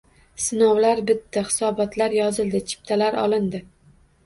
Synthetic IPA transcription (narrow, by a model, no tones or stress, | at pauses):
sɪnɒwlaɾbɪt̪ʰːaχɪ̥sɒbɒt̪ʰlaɾjɒzɪld̪ɪt͡ʃʰɪ̥p̚t̪ʰalaɾɒ̰lɪnd̪ɪ